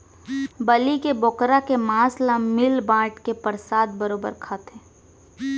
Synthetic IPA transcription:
bɐlikebɔːkɾakemãːslamɪlbãːʈkepəɾsaːd̪bəɾoːbə̰ɾkʰaːt̪ẽː

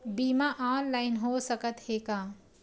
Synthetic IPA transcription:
biːmaʔaːnlaːɪnɦoːsəkət̪heːkaː

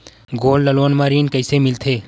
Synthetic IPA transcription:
ɡoːlːəlʋənmãɾinkəɪsemɪilt̪ʰe

